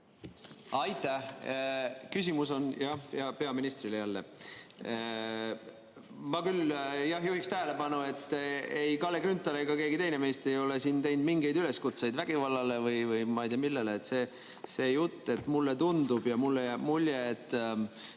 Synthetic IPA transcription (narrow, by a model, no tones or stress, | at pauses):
ɑjt̪ːˑæh | kys̬ʲimuso̞njɑjɑpe̞ɑminist̪rilejælːe̞̰ | mɑkyljɑɦjuhikst̪æɦele̞pɑnue̞t̪ːˑejkɑlːe̞kɾynt̪ːˑɑleɡɑke̞ːɡit̪e̞jne̞me̞ːst̪e̞jo̞le̞siːnt̪e̞jnd̪miŋɡe̞jd̪yle̞skut̪sejd̪væɡ̥ivɑlːɑle̞vɯjvɯjmɑijt̪iɑmilːe̞leːt̪se̞ː | se̞ːjut̪ˑːe̞t̪ːmulːe̞t̪und̪ub̥jɑmulːejæbmulʲjeːt̪ːˑ